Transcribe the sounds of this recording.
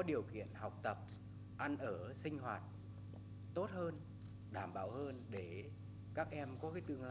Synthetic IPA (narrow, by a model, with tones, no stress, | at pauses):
ɔ˨˦ɗi˨˩əwkḭ˧˨ənha˨˩wk͡p̚t̪ə˨˩p̚ | ʔa˧nʔəː˧˩sï˧ŋ̟hwaː˨˩t̚ | t̪o˦˥t̚həː˧n | ɗaː˧˩mɓaː˧˩whəː˧nɗe˧˩ | kaː˦˥k̚ʔɛ˧mkɔ˨˦kaː˨˦jt̪ɨ˧əŋ˧